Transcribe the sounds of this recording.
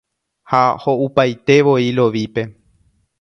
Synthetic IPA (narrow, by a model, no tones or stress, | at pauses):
haho̞ʔupajt̪e̞ʋo̞ilo̞ʋipe̞